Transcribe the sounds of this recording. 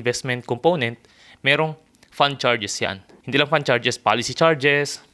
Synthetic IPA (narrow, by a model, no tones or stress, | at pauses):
vɛst̪mɛnt̪̚kɔmpoːnɛnt̪̚ | mɛːɾoŋ | fand̪̚t͡ʃaɹd͡ʒɛsja̰n | hɪnd̪iːlɐŋfand̪̚t͡ʃaɹd͡ʒɛspa̰ːlɪsit͡ʃaɹd͡ʒɛs